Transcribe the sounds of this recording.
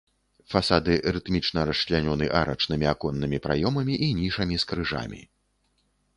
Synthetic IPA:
fasad̪ɨɾɨt̪mʲit͡ʂnɐɾɐslʲanʲɔnɨʔaɾɐ̰t͡ʂnɨmʲiakɔnːɨmʲipɾa̰jɔmɐmʲiʔinʲiʂɐmʲiskɾɨʐa̰mʲḭ

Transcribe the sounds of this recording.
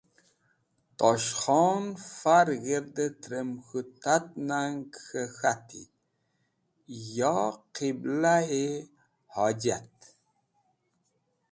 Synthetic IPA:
t̪ɔʃxɔnfaɾɣeɾd̪ət̪ɾəmxut̪at̪̚naŋkxəxat̪ʰḭ | jɑqʰiblae | had͡ʒat̪̚

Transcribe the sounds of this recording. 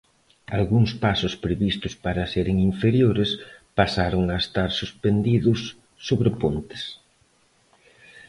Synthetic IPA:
alɣuŋspasʊspɾeβist̪ʊspaɾɐseɾɪŋiɱfeɾjoɾespasaɾoŋaest̪aɾsuspend̪iðʊsː | oβɾepont̪ɪ̥s

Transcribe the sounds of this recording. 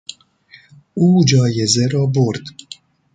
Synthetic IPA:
uːd͡ʒɔːjɛzɛɾɔːboɾd̪

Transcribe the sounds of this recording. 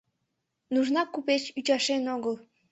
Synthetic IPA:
nuʒnɑkupet͡ɕyt͡ɕɑʃenoɣəlˠ

